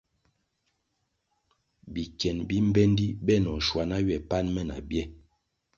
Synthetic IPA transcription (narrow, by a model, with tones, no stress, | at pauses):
bi˨kɛ˨nbi˦m˦bɛ˦n˦di˦bɛ˦˨nɔ˨ʃwa˨na˦ɥɛ˨pa˦nmɛ˦na̰˨bjɛ˦